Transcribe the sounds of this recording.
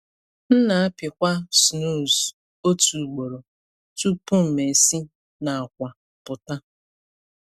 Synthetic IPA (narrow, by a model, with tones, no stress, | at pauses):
n̩˦na˨a˦pɪ˨kʷa˦su˨no˦˨z | o˦tu˨ɡ͡bo˨ɾo˨ | tu˦pu˦m̩˨me˨si˦ | na˨a˨kʷa˨ | pʊ˨ta˦